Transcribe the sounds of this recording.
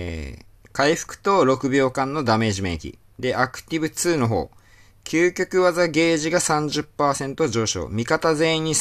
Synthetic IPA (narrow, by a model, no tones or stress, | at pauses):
kaiɸɯ̟̥kɯ̟̥t̪o̞ɾo̞kɯ̟bʲo̞ːkãnːo̞d̪ame̞ːʑimẽ̞̰kʲḭ | d̪e̞ʔakɯ̟̥t̪ʲibɯ̟t͡sɨːno̞ɦo̞̰ː | kʲʰɨːkʲo̞kɯ̟βazaɡe̞ːʑiɡasãɲ̟d͡ʑɨpːaːsẽ̞nt̪o̞ʑo̞ːɕo̞̰ːmʲikat̪azẽ̞ĩɲ̟ːi